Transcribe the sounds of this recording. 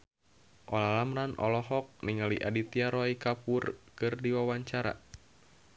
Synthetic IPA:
ʔɔlalamranʔɔ̰lɔɦɔk̚niŋaliʔadit̪iaɾɔikapurkɨrdiwawaɲt͡ʃaɾa̰

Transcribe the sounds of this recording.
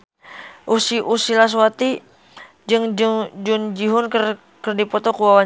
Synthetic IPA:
ʔusiʔusilas̬wat̪i | d͡ʒɨŋd͡ʒd͡ʒʊnd͡ʒiɦʊnkər | kərdipɔt̪ɔkuwawa

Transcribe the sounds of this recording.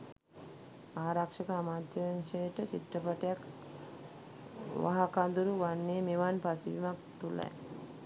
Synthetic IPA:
aːɾakʂəkəamaːt̪ːəənʃejʈət͡ʃit̪ɾəpaʈəjak | ʋa̰ɦakand̪uɾuʋanːemeʋanpasiʋimak̚t̪ula̰j

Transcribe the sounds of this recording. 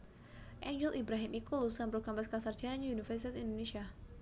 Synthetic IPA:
ʔɛɲd͡ʒɛlʔibɾaɦimʔikulusambɾukambaskasard͡ʒanaɲaunifərsit̪asindonesia

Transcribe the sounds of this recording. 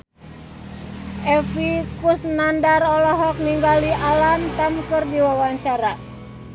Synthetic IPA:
ʔɛfikusnandarɔlɔɦɔk̚niŋɡaliʔalamt̪amkɨrdiwawaɲt͡ʃaɾa

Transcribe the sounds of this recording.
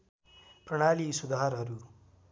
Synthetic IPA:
pɾʌɽ̃aːlisud̪aaɾɦʌɾu

